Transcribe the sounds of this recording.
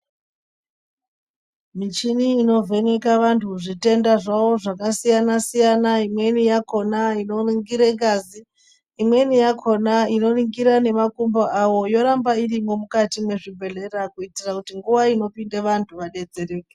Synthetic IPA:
mit͡ʃiniːno̞vʱe̞ne̞kaʋantʰuʐite̞ndaʐawo̞ʐakasijanasijanaimwe̞nijako̞naino̞riŋɡiɾeŋɡaziː | mwe̞nijakʰo̞naino̞riŋɡiɾane̞makumboʔawo̞jo̞ɾambairimo̞mukatimwe̞ʐibʱe̞ɮe̞rakuitirakutiŋɡuʋaino̞pindeʋantʰuʋaɗe̞d͡ze̞reːke

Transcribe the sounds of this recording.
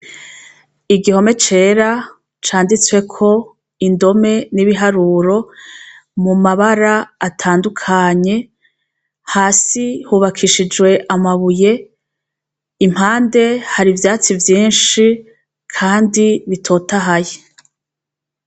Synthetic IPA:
iɡiho̞me̞t͡ʃe̞ːɾa | t͡ʃaːndit͡swe̞kʰo̞ | indo̞me̞niβiɦaɾuːɾo̞ | mumaβaɾaatʰaːndukʰaɲe̞ | haːsihuːβakʰiʃid͡ʒwe̞ʔamaβuje̞ | im̥haːnde̞haɾivjaːt͡sivjiːnʃi | kʰaːndiβitʰo̞ːtaɦaje

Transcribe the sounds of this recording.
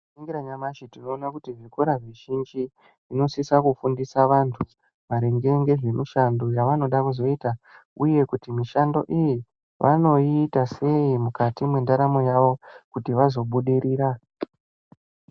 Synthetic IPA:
iŋɡiɾaɲamaʃitino̞ːnakutiʐikoɾaʐiʒind͡ʒi | ino̞sisakufundisaʋantʰu | ʋaɾeŋɡe̞ŋɡe̞ʐe̞miʃando̞jaʋano̞ɗakuzo̞ita | uje̞kutimiʃando̞̰ʔiji | ʋʔa̰no̞iːtase̞imukatimwendaɾamo̞jaʋo̞kutiʋazo̞ɓuɗiɾiːɾa

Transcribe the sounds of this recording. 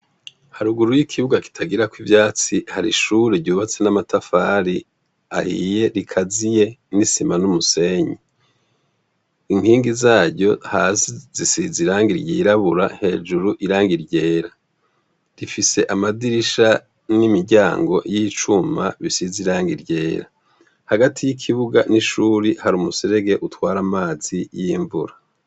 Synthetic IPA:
haɾuɡuɾujikʰiβuɡaki̥tʰaɡiɾakwivjaːt͡sihaɾḭʃuɾeɾɟuːβat͡se̞namatafaɾi | a̰hḭje̞ɾikʰazije̞nisimanumuse̞ɲi | iŋhiːŋɡizaːɾɟo̞haːsizisiziɾaːŋɡiɾɟiɾaβuɾaŋhe̞ːd͡ʒuɾuʔiɾaːŋɡiɾɟe̞ːɾa | ɾifise̞ʔamadiɾiʃa | nimiɾɟaːŋɡo̞̰jit͡ʃuma̰βisiziɾaːŋɡiɾɟe̞ːɾa | haɡatʰijikʰiβuɡaniʃuːɾihaɾumuseɾeɡe̞ʔutwaːɾamaːzijiːɱvṵɾa

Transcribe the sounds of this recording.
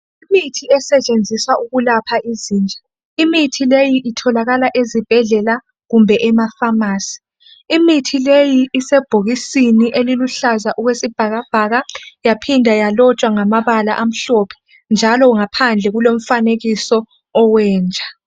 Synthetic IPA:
imitʰiɛsɛt͡ʃʼend͡zʱiswauɣulapʰaʔiziːnd͡ʒʱa | imitʰilejiʔitʰɔlaɣalaʔezib̥ʱɛɮɛla | ɣumbʱɛʔɛmafamaːsi̥ː | mitʰilejiːsɛb̥ʱoɣisiniʔeliluɬazaʔuɣwesib̥ʱaɣab̥ʱaɣajapʰindʱajalɔt͡ʃʼwaŋamaβala̰ʔam̩ɬɔpʰɛ̥ | nd͡ʒʱalɔuŋapʰand͡ɮʱɛɣulom̩faneɣisɔː | wɛːnd͡ʒʱa

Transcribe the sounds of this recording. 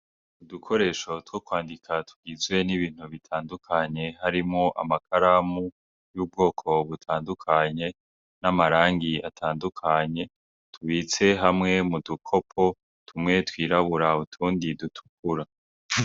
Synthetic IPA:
udukʰo̞ɾe̞ʃo̞twokwaːndikʰatʰu̥ɡizɡwe̞niβiːn̥huβitʰaːndukʰaɲe̞ɦaɾimŋoʔa̰makʰaɾamu | juːb̚ɡo̞ːkʰo̞βutʰaːndukʰaɲe̞ | namaɾaːŋɡiatʰaːndukʰaɲe̞ | tʰuβit͡se̞ɦamŋe̞mudukʰo̞pʰo̞ | tʰumŋe̞twiːɾaβuɾautʰuːndidutʰu̥k̚uɾa

